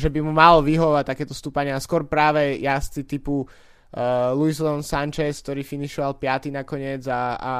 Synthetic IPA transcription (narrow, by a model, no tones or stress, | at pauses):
ʒɛbimumalɔʋiɦɔʋɔʋac̚t̪akɛːt̪ɔst̪upaɲɪaskʊɔɾpɾaːʋɛjast͡sit̪ipu | luislɔɔnsant͡ʃɛsk̚t̪ɔɾiːfiniʃɔʋalpɪat̪inakɔɲɪɛd͡zaa̰